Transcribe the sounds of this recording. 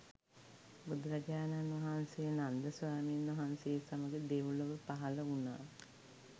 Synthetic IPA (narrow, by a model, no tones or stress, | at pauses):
bud̪ɾad͡ʒaːnanʋɐɦansejnand̪əsʋaːmenʋɐɦansejːsaməɡed̪eʋuləʋəpaɦɐləunaː